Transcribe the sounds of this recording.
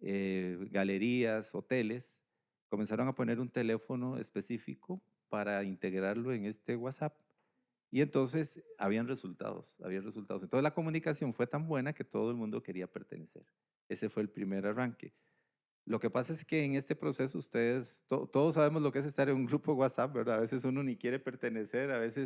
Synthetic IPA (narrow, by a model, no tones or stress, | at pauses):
eɡale̞ɾiaso̞t̪e̞le̞s | ko̞me̞nsaɾo̞ŋapo̞ne̞ɾunt̪e̞le̞fo̞no̞ḛspe̞sifiko | paɾaint̪e̞ɣɾaɾlo̞e̞ŋe̞st̪e̞wasap̚ | ie̞nt̪o̞ns̬e̞sa̰βianre̞sult̪a̰ðo̰sa̰βianresult̪aðosent̪oselako̞munikasjo̞ɱfwe̞t̪ambwe̞nake̞t̪o̞ðoelmũnd̪oke̞ɾiape̞ɾt̪e̞̰nese̞̰ɾ | e̞se̞fwe̞ːlpɾime̞ɾaraŋke̞̰ | lo̞kepasae̞ske̞ːŋe̞st̪e̞pɾo̞se̞s̬oust̪eðest̪ot̪oðos̬ːaβe̞mozlo̞kees̬est̪aɾeŋuŋɡɾupowasap̚beɾðaːβe̞se̞suno̞nikjeɾepe̞ɾt̪e̞ne̞se̞ɾaβe̞ses